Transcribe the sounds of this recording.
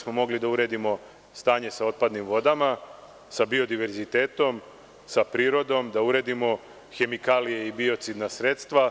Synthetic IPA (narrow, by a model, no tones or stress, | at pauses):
smo̞mo̞ɡlid̪auɾe̞ːd̪imo̞ | st̪aːɲe̞sao̞t̪̚pad̪nimʋo̞d̪ama | sabio̞d̪iʋe̞ɾzit̪eːt̪o̞m | sapɾiːɾo̞d̪o̞md̪auɾed̪imo̞ | xe̞mikaːlije̞ibio̞t̪sid̪nasɾe̞t̪st̪ʋa